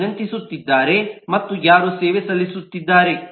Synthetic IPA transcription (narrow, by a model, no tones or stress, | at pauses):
nɐnt̪isut̪ːid̪ːaːɾe̞mɐt̪ːujaːɾuseːʋesɐlːisut̪ːid̪ːaːɾe̞